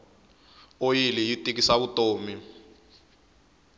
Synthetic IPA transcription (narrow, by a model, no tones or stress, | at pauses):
ojilijitʼik̬isaβutoːmi